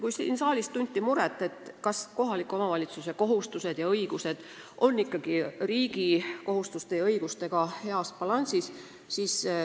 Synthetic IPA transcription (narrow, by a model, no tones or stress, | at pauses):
kujsḭnsɑːlist̪unʲt̪ʲːimuɾet̪ːˑe̞t̪kɑsko̞ɦɑlikːˑo̞mɑvɑlʲit̪suse̞ko̞ɦust̪use̞d̪̥jɑɤiɡ̥use̞d̪̥ | ʔo̞nːikːɑɡ̥iriːɡ̥iko̞ɦust̪ust̪e̞jɑɤjɡ̥ust̪e̞ɡ̥ɑhe̞ɑspɑlɑnʲsis | siːs